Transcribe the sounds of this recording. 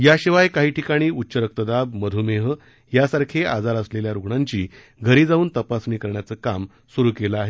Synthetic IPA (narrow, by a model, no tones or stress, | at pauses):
jaɕiʋajkaɦiːʈʰikaɽ̃iːutːɕəɾək̚t̪əd̪ab̚məd̪ʱumeɦə | jasaɾkʰead͡zaɾəsleljaɾuɡɳaɲt͡ɕiː | ɡʱəɾiːd͡zaʋuːnt̪əpasniːkəɾɳjat͡səːkam | suɾuːkeləaɦe